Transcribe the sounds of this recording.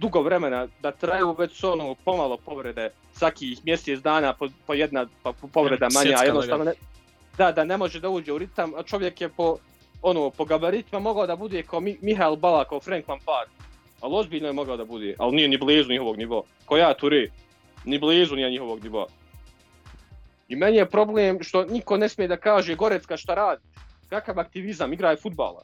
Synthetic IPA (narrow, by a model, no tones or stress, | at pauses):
d̪uɡo̞ʋɾeme̞nad̪at̪ɾajuːʋet͡ɕsuonoːpo̞malˠo̞po̞ʋɾe̞d̪e | sʋakiːhmjeseːt̪d̪aːnaːpopojed̪napapo̞ʋɾe̞d̪amaɲaajenost̪aːno | d̪ad̪anemo̞ʒed̪auːd͡ʑeːuɾit̪amat͡ʃo̞ʋje̞kjepo̞ | onoːpo̞ɡabaɾit̪imamo̞ɡaod̪abud̪eːkʰaomimiɦaelˠbalakaofɾeŋkmanpaːɾ | alio̞zbiːʎnojemo̞ɡaod̪abud̪ḛːʔa̰lnijenibliːzuɲiɦo̞ʋoɡniʋoa̰ | kojaːt̪uɾeː | niblˠiːzunijeɲiho̞ʋoɡniʋoa̰ | imenijepɾo̞blˠeːmʃt̪o̞niko̞ne̞smijed̪akaːʒeɡo̞ɾet̪skaʃt̪aɾaːd̪i | kakaʋak̚t̪iʋizamiɡɾaːjfud̪̚ba̰ːlˠa̰